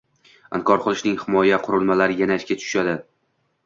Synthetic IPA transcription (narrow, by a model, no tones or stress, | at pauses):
a̰nkʰɒɾqʰʊlˠɪʃnɪŋhɪmɒjaqʰʊɾɪlˠmalaɾɪjanaɪʃʲkʲat̪ʰʊ̥ʃad̪ɪ